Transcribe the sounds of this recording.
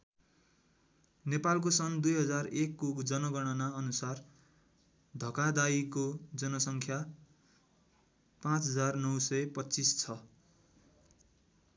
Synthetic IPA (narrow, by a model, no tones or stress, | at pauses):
nepalk̬osʌnd̪ujɦʌd͡zarekːukd͡zʌnʌɡʌɽ̃ʌnaʌnusar | d̪ʱʌkad̪aikod͡zʌnʌsʌŋkʰja | pãt͡sɦʌd͡zarnʌwsʌjpʌtːt͡sist͡sʰʌ